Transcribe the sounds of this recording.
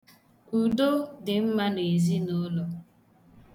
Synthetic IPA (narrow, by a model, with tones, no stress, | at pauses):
u˨do˦dɪ˨m̩˦ma˦n˨e˨zi˦no˦lo˨